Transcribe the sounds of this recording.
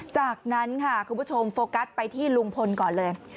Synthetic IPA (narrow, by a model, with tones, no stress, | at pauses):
t͡ɕaː˨˩k̚na˦˥nkʰa˥˩kʰu˧mbʰu˥t͡ɕʰo˧mfoː˧ka˦˥t̪̚pa˧jt̪ʰiː˥˩lu˧ŋpʰo˧nkɔː˨˩nlɤː˧j